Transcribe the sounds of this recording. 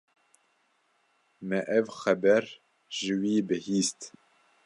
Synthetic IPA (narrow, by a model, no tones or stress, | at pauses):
mɛʔɛvxɛbɛɾ | ʒ̥ɨwiːbɨhiːst̪